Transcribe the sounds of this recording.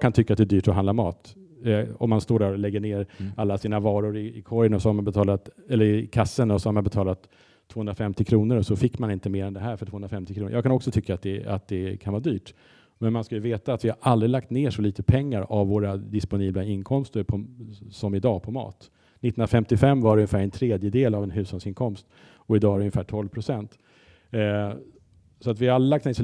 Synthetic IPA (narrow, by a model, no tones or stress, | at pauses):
jɑɡkʰant̪ʰʏkːat̪d̪ɛːd̪yːʈɔɦand̪amɑ̰ːt̪ | ɔ̰mːanst̪oːɖæɾɔlɛɡːəɳeːɾʔalːasiːnavɑːɾʊɾɪɪkʰɔɾjənɔsɔhaɾmanbɛt̪ʰɑːlat̪ɛlːəɾɪkʰasːənɔsɔhaɾmanbɛt̪ʰɑːlat̪ʰː | voːɵnɾafɛmt̪ɪkʰɾuːnəɾɔsɔfɪkːmanɪnt̪əmeːɾɛnd̪ɛɦæːɾfœʈʰoːhɵnɾafɛmt̪ɪkʰɾuːnə̰jɑːɡkʰanɔksɔt̪ʰʏkːaat̪̚d̪ɛa̰t̪̚d̪ɛkʰanvɑːɾd̪yːʈ | mɛnmanskajɵveːt̪aːt̪vɪhaɾʔald̪ɾɪlak̚t̪neːʂɔliːt̪əpʰɛŋːaɾavːoːɾad̪ɪspʊniːblaɪnkʰɔmst̪əɾpʰɔsɔmɪd̪ɑːpʰɔmɑ̰ːt̪ | nɪt̪ːɾafɛmt̪ɪfɛmːvaɾɵŋɲːɪfæːɾɛnt̪ʰɾeːd̪jəd̪eːlavɛnɦʉ̟ːshalsɪnkʰɔmst̪ | ɔɪd̪ɑːvaɾɛɵŋjɪfæːʈʰɔlvpʰɾʊsɛnt̪ | sɔat̪vɪhaald̪əlakt̪neːʂɔ